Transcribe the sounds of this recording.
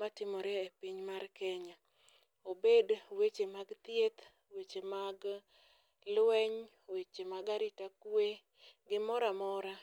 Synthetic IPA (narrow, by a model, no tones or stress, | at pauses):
matɪmɔɾeepiɲmarkɛɲa | obedwet͡ʃemaɡt̪jet̪ | wet͡ʃemaɡ | lwɛɲ | wet͡ʃemaɡaɾɪtakwe | ɡɪmɔɾamɔɾa